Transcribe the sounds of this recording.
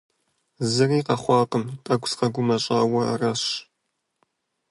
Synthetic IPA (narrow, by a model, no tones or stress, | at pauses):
zɨriːqɐχʷɑːqəmtʼɐɡʷʊsqɐɡʷʊmɐɕʼɑːwɐɐ̰rɐɕ